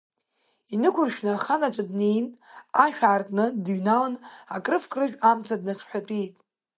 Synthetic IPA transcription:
inɨkʷʰʊrʃᶣnaχanat͡ʃʷʼadnejnaʃᶣaːrtʼnɨdɥnalanakʼrɨfkʼrɨʒᶣamt͡sʰadnat͡ʃʷʰħʷᶣatʼijtʼ

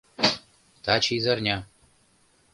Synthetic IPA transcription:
t̪ʰaːt͡ʃʰizɐrnʲa

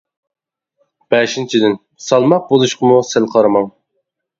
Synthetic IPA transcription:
b̥ɛʃint͡ʃʰid̪ɪn | sɑlˠmɑq̚bolˠuʃqʰəmusælqʰɑɾɑmɑŋ

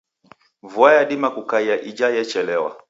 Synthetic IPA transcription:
vuajaɗimakukaiaʔid͡ʒajɛt͡ʃɛlɛwa̰

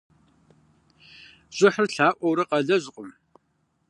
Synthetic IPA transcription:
ʑ̥ʼɪħərɬaːʔʷɔwɾɐqɐɮɐʑqʷʼʊm

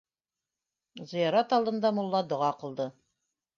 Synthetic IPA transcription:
zɤ̆jɑɾɑt̪ɑlˠd̪ɤ̆nd̪ɑmolˠːɑd̪ŏʁɑqɤ̆lˠd̪ɤ

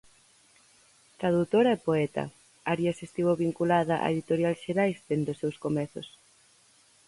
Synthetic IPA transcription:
t̪ɾaðut̪oɾɐepoɛt̪ɐ̰ | aɾjɐsest̪iβoβiŋkulaðɐʔa̰eðit̪oɾjalʃeɾajsd̪end̪ʊsewskomɛθʊ̰s

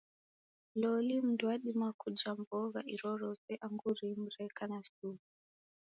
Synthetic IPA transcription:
lɔlim̩dwaɗimakud͡ʒambɔɣa̰ʔiɾɔɾɔsɛʔaŋɡuɾim̩ɾɛkanasu

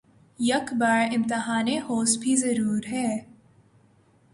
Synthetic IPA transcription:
jɐkbaːɾɪ̃mt̪ɪɦaːnehoːsbʱizɐɾuːɾɦɛː

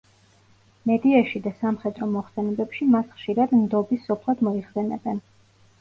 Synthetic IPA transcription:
mɛd̪iaʃid̪asamχɛd̪ɾɔmɔχsɛnɛbɛpʃimasχʃiɾad̪md̪ɔbisːɔpʰlˠad̪mɔiχsɛnɛ̰bɛn

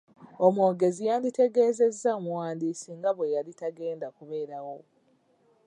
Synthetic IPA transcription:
o̞moːɡe̞zijaːndite̞ɡe̞ːze̞zːamuwaːndiːsiŋɡaβwe̞jalitaɡe̞ːndakuβe̞ːɾawo̞

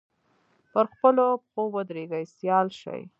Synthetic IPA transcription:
pəɾxpəlopxowəd̪ɾeɡajsjɑlʃa̰j

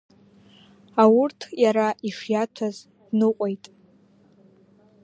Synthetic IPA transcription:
awʊrtʰjaɾaʔiʂjatʷʰaz | d̥nɨqʷʼojtʼ

